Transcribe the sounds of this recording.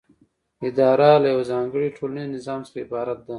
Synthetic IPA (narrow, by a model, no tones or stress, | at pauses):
id̪ɑːɾalajawzɑːŋɡəɽiʈʰoːlniznɪzɑːmsaɾaibɑːɾat̪̚d̪a